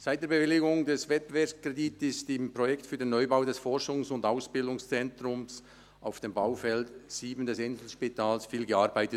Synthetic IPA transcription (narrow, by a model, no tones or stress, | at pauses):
saɪt̚d̥eːɐbevɪlɪɡʊŋdɛsvɛt̚b̥evɛɐpskʁeditɪstɪmpʁɔjɛktfyːɐdenɔʏbaʊdɛsfɔɾʃʊŋsʊndaʊsb̥ɪldʊŋst͡sɛntʁʊms | ʔaʊfd̥eːmbaʊfɛltsiːbn̩dɛsɪnzl̩ʃpitʰaːlsfiːlɡəaːɾbaɪtət